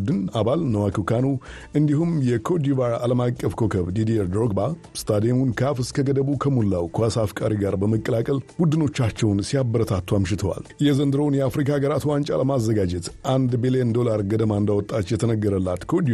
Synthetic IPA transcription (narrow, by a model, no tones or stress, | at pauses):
d̪ɨnaβalnəwakʰukʰanu | ʔɨnd̪iɦumjɛkʰo̞d̪ivaɾa̰ləmakʼːəfkʰo̞kʰəβd̪id̪iɾd̪ɾoɡba | st̪ʰad̪emunkʰafɨskʰəɡəd̪əβukʰəmulːawkʰuasafkʼaɾiɡaɾbəməkʼːəlakʼəlbud̪ɨno̞t͡ʃːat͡ʃːɛwnsiabːəɾət̪ʰat̪ːuamʃɪt̪ʰəwa̰ljɛzənd̪ɨɾəwnjɛafɾikʰaɡəɾat̪ʰuwant͡ʃʼaləmazːəɡad͡ʒɛt̪ʔand̪bilijənd̪o̞laɾɡəd̪əmaɨnd̪awɔt̪ʼːat͡ʃːjɛt̪ʰənəɡːəɾəlːat̪kʰod̪i